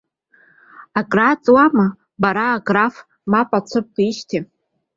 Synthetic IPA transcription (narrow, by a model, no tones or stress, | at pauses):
akʼrat͡sʼwama | baɾaːɡraf | mapʼat͡sʷʰɨp̚qʰiʃtʰi